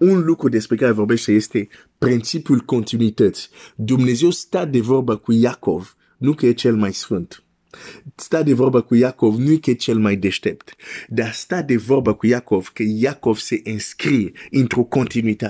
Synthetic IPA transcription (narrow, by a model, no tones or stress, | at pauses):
ũlukud̪ɛspʁikaevɔʁbɛsajɛst̪e | pʁɛ̃nsipulkɔ̃nt̪inɥit̪ɛt̪d̪umneziost̪ad̪evɔlbakujakɔv | nũket͡ʃɛlmajsʁɔ̃nt̪ | st̪ad̪evɔlbakujakɔvnuiket͡ʃɛlmajd̪ɛʃt̪ɛpt̪d̪ast̪ad̪evɔʁbakujakɔvkəjakɔvseʔɛ̃skʁiĩnt̪ʁokɔ̃nt̪inɥit̪a